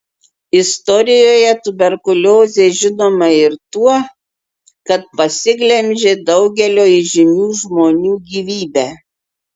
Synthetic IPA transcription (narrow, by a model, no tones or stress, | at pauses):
ɪst̪ɔɾʲɪjoːjɛt̪ʊbʲɛɾkʊlʲoːzʲeːʒʲɪnoːmɐɪɾt̪uɔ | kɐt̪̚pɐsʲɪɡlʲɛmʲʒʲeːd̪ɐʊɡʲɛlʲoːiʒʲɪnʲuːʒmoːnʲuːɡʲiːʋʲiːbʲæ